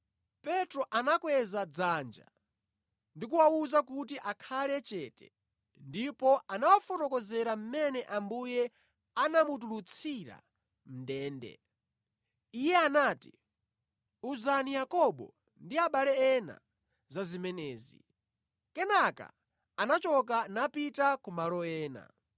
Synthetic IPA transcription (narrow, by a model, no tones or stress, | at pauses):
pɛtɾɔʔanakwɛzad͡zaːnd͡ʒa̰ | ndik̬uwauzakut̬iʔakʰalɛt͡ʃɛtɛ̰ | ndipɔanawafɔtɔkɔzɛɾam̩mɛnɛʔambujɛ | anamut̬ulut͡sʰiɾa̰ | m̩dɛːndɛ̰ | ijɛanaːtḭ | uzanijakɔɓɔ̰ | ndiaɓalɛɛna̰ | zazimɛnɛːzḭ | kɛnaka̰ | anat͡ʃɔkanapitakumalɔɛːna̰